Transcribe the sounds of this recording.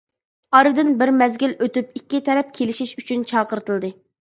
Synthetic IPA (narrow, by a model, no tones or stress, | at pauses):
ɑɾɨd̪ɨnbɪɾmɛzɡʲilʔøt̪ypikʲːit̪ʰɛɾɛp̚kʲʰelɪʃiʃyt͡ʃʰynt͡ʃʰɑːqəɾt̪ʰɨlˠd̪ɨ